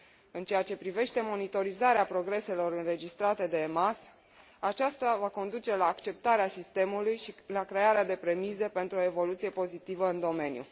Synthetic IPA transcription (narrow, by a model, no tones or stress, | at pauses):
ɨnt͡ʃe̞jat͡ʃe̞pɾive̞ʃt̪e̞mo̞nit̪o̞ɾizaɾeapɾo̞ɡɾe̞se̞lo̞ɾɨnre̞d͡ʒist̪ɾat̪e̞d̪e̞ːmas | at͡ʃast̪avako̞nd̪ut͡ʃe̞laːkt͡ʃe̞p̚t̪aɾeasist̪e̞mulujʃilakɾe̞aɾead̪e̞pɾe̞mize̞pe̞nt̪ɾuo̞e̞vo̞lut̪sije̞po̞zit̪ivəɨnd̪o̞me̞njṵ